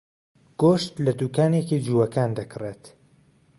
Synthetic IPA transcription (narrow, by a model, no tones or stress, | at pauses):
ɡ̥oʃt̪lɐd̪uːkaːnekid͡ʒuːwɐkaːnd̪ɐkɨreːt̪